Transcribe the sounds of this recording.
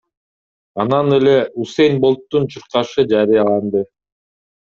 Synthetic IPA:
ɑnɑnele̞usejnbolˠt̪ːunt͡ʃʰuɾqɑʃɯd͡ʒɑɾijɑlˠɑnd̪ɯ

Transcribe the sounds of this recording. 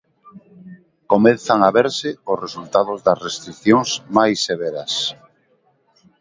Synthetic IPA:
komeθaŋaβeɾsɪʊsresult̪aðʊzðɐsrest̪ɾikθjoŋsmajsːeβ̞eɾɐs

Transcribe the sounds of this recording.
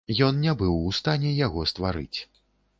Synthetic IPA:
jɔnnʲabɨwust̪anʲɛjaɣɔst̪vaɾɨ̰t͡sʲ

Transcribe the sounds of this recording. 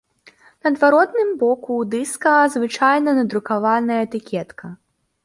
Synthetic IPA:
nɐd̪vaɾɔd̪nɨmbɔkud̪ɨskɐzvɨt͡ʂajnɐnɐd̪ɾukavanɐjɐɛt̪ɨkʲʰɛt̪kʰɐ

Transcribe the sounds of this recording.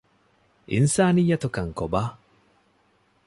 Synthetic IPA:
ʔɪ̰nsaːnijːɐt̪okɐŋkobaː

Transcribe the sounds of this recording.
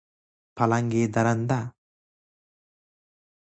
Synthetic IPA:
pɐlaŋɡeːd̪ɐɾɐnd̪a

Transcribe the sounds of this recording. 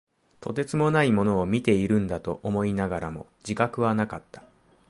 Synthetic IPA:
t̪ʰo̞t̪̬e̞t͡sɨmo̞naimo̞no̞ːmʲit̪e̞iɾɯ̟̃nd̪at̪o̞ʔomo̞inaɡaɾamo̞̰ | d͡ʑikakɯ̟βanakat̪ːḁ

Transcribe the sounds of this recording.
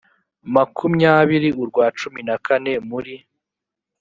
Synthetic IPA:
makʰumɲaːβiɾiʔuɾɡwaːt͡ʃuminakʰane̞muɾi

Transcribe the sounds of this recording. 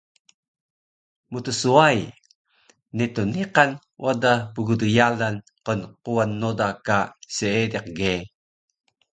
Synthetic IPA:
mut̪usuaj | nit̪uniqan | wʔadapuɡudujalan | qonquwanːodakaseedɛq̚ɡe

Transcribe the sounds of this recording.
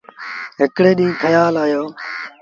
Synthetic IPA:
ɦɪkɽeːɗĩːkʰəjaːlaːjoː

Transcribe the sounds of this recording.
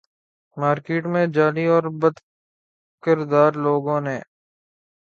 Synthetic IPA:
maːɾkeːʈmẽd͡ʒaːliɔːɾbəd̪ | kəɾd̪aːɾloːɡõːneː

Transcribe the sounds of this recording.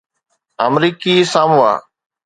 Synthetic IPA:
əmɾiːkiːsaːmua̰ː

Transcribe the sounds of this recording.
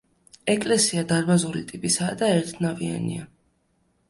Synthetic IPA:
ɛkʼlɛsiad̪aɾbazuɾit̪ʼipʼisaːd̪aɛɾt̪ʰnavia̰nḭa

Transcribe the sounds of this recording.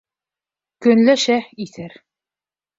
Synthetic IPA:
kɵ̆nlæʃæiθɘɾ

